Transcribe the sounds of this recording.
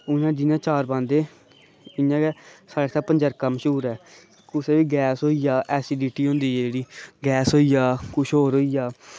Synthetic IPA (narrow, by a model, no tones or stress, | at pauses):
ʊnãːd͡ʒɪjãːt͡ʃaːɾbãːnd̪eː | ɪãːkɛːsaːɽeːsaːpəɲd͡ʒəɾkəmʃuːɾɛː | kʊseːʋiːɡɛːsɦoːiːjaːʔɛːsiːɖiːʈiːɦõːnd̪iːɛːd͡ʒeːɽiːɡɛːsɦoːiːjaːkʊʃʰɦoːɾɦoːiːjaː